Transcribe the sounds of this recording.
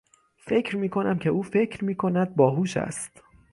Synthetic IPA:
fe̞cʰɾmiːkʰo̞næmcʰe̞ʔuːfe̞cʰɾmiːkʰo̞næd̪̚bɒːɦuːʃæ̰st̪

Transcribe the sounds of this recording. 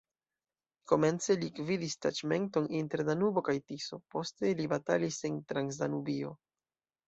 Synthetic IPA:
ko̞me̞nt͡se̞likvidistat͡ʃme̞nto̞ninte̞ɾdanubo̞kajtiso̞po̞ste̞libata̰lise̞ntɾansdanubio̞̰

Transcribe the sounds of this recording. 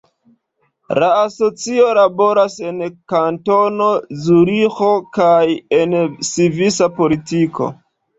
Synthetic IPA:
laːso̞t͡sio̞labo̞ɾase̞nkanto̞no̞zuɾixo̞kajensivisapo̞litiko̞̰

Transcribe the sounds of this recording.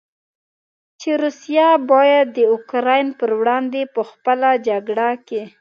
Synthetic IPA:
t͡ʃeɾusijabɑjad̪ːəʊkɾɑjnpəɾwɽɑnd̪epəxpəlad͡ʒaɡɽake

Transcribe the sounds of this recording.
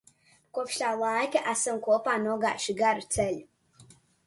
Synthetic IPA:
kuɔpʃlʲaːlˠajkaʔæsamkuɔpaːnuɔɡa̰ːʃiɡaɾut̪sɛʎʲ

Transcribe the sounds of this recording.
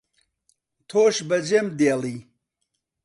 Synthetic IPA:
t̪ʰoːɕbɐd͡ʑemd̪eːli

